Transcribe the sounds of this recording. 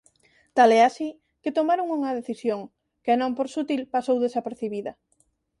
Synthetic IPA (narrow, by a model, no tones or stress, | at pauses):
t̪alɛasi | kɪt̪omaɾoŋuŋɐðeθisjoŋ | keanõmpoɾsut̪ilpasowðesapeɾθiβiðɐ